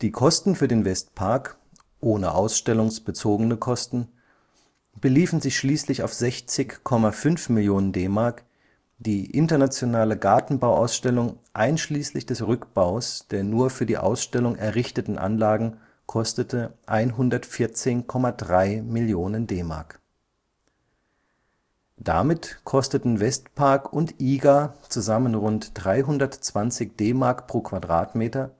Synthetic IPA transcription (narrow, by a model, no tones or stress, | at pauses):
d̥iːkʰɔstn̩fyːɐdeːnvɛstpʰaɐk | ʔoːnə̰ʔaʊsʃtɛlʊŋsb̥ət͡soːɡənəkʰɔstn̩ | b̥əliːfn̩zɪçʃliːslɪça̰ʊfz̥ɛçt͡sɪçkʰɔmafʏnfmɪljoːnəndeːmaɐk | d̥iːʔɪntɐnat͡sjonaːləɡaɐtn̩baʊʔa̰ʊsʃtɛlʊŋʔaɪnʃliːslɪçd̥ɛsʁʏkb̥aʊsd̥eːɐnuːɐfyːɐdḭːʔa̰ʊsʃtɛlʊŋɛɐʁɪçtətn̩ʔa̰nlaːɡŋ̩ | kʰɔstətʰəʔaɪnɦʊndɐtfɪɐt͡seːnkʰɔmadʁaɪmɪljoːnəndeːma̰ɐk | d̥a̰mɪtkʰɔstətn̩vɛstpʰaɐkʊntʔiːɡat͡suzamənʁʊntd̥ʁaɪɦʊndɐtt͡sv̥ant͡sɪçd̥eːmaːɐkpʁ̥oːkʰv̥adʁaːtmeːtɐ